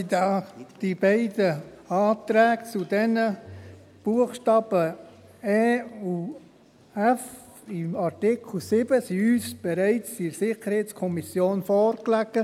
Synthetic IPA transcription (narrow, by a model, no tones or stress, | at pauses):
d̪ɑːd̥ibɛɪdə | ɑːt̪ɾɛːɡt͡sudɛnə | b̥uəχʃtɑːb̥ə | ɛːu | ɛf | ɪmaɾtɪkʰl̩sɪb̥əsiyːsb̥ɛɾæɪt͡sisɪχəɾhɛɪt͡skʰɔmisjoːnfɔːɾklæɡ̥ə